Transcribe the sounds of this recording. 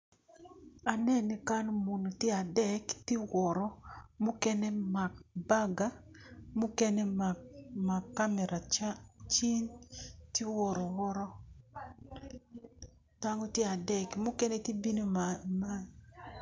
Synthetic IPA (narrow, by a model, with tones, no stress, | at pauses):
a˨nɛ˦˨ni˨ka˦n˦mo˨no˨tje˦a˨dɛ˨ktɪ˦wɔ˨ɾɔ˦mo˦kɛ˦nɛ˦ma˨k̚ba˦ɡa˦ | mʊ˦kɛ˦nɛ˦m˨ma˨kːa˦mɛ˨ɾʔa˨t͡ʃat͡ʃi˦nti˦wɔ˨ɾɔ˨wɔ˦ɾɔ˦ | ta˦ŋɔ˦tjɛ˦a˨dɛ˨kmʊ˦kɛ˦nɛ˦ti˦bi˦no˦ma˦n